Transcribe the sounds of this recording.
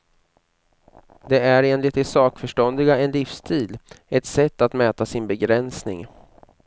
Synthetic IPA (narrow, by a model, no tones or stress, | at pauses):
d̪ɛæɾeːnlɪt̪ɪsɑːkfœʂʈɔnd̪ɪɡaɛnlɪfst̪ʰiːlɛt̪sɛt̪ːat̪mɛːt̪asɪnbɛɡɾɛnsnɪ̰ŋ